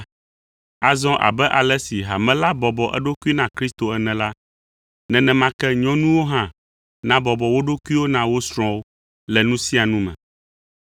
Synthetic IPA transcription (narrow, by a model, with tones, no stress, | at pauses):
a˨zɔ̃˦ʔa̰˨bɛ˦ʔa˨lɛ˦si˨ɦa˨mɛ̃˦la˦bɔ˨bɔ˨ʔɛ̰˦ɖo˦ku˦i˦nã˨kɾi˦st̪o˨ɛ˨nɛ̃˨la˦ | nɛ̃˨nɛ̃˨mã˦kɛ˦ɲɔ̃˦nũ˦wo˦ɦã˦ | nã˦bɔ˨bɔ˨wo˦ɖo˦ku˦i˦wo˦nã˨wo˦sɾ̃ɔ̃˦wo˦ | lɛ˨nũ˦sĩ˦a˨nũ˦mɛ̰̃˨